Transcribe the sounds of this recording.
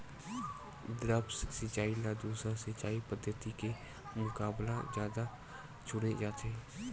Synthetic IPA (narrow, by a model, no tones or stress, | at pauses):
d̪ɾəbssɪt͡ʃaːilad̪uːsɾasɪt͡ʃaːipəd̪ʱːət̪ike | mʊkaːblazjaːd̪a | t͡ʃʰʊɽed͡ʒaːt̪eː